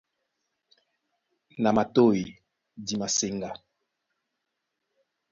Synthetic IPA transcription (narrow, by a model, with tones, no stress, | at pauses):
na˨ma˨to˦˨ji˨ | di˨ma˨se˨ŋɡa˨